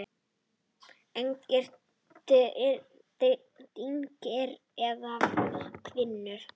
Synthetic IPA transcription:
eɲcɛr̥t̪ | t̪iɲcɪɾ | ɛðakʰvɪnːʏɾ̥

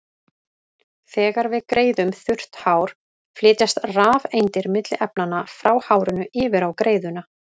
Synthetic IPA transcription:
θɛːɣaɾvɪðkɾeːjðʏmθʏr̥t̪haːwɾ̥ | flɪːt̪jast̪raːvejnt̪ɪɾmɪt̪lɪʔɛpnanafɾaːwhaːwɾʏnʏɪːvɪɾawkɾeːjðʏna

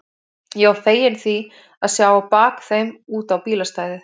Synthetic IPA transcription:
jɛθeːjɪnθi | aðsjawapaːkθejmuːt̪awpiːlast̪aːjðɪ

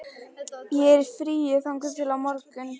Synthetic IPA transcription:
jɛɛɾɾfɾiːʏθawŋkʏmt̪ʰɪlawmɔɾkʏn

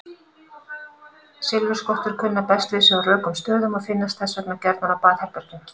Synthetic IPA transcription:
sɪlvʏɾ̥skɔht̪ʏɾ̥kʰʏnːapɛst̪vɪðsɛɣarœːkʏmst̪œːðʏmafɪnːast̪θɛsvœknacɛɾt̪manawpaːðhɛpɛɾ̥cɪm

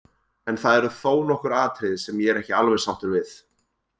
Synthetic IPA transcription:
ɛnθaðɛɾʏθoːwnɔhkʏɾaːt̪ʰɾɪðɪsɛmjɛɛɾɛhcɪalvɛðsawht̪ʏɾvɪθ

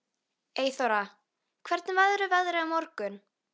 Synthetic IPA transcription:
eːjθɔɾa | kʰvɛɾt̪nɪvaðɾʏvaɣðɾɪamɔɾkʏn

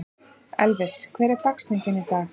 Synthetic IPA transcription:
ɛlvɪskʰvɛːɾɛɾt̪akst̪iŋcɪnːɪt̪a

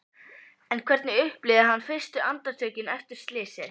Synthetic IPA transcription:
ɛnkʰvɛɾt̪nɪʏhplɪðaɦanːfɪr̥st̪ʏʔant̪aɾt̪ʰœːɥcɪnɛft̪ʏɾ̥st̪lɪːsɛɾ

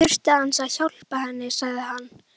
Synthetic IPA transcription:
ʏr̥t̪ɪansaðçawl̥pahɛnːɪsaɣðɪɦanː

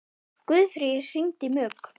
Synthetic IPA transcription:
kʏːðfɾɪsiɲt̪ɪmœːk

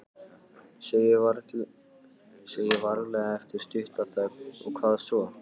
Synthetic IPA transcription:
seːjɪvaɾɣlɛɣaɛft̪ɪɾ̥st̪ʏht̪at̪akɔ̰ɣkʰvaːðsɔ

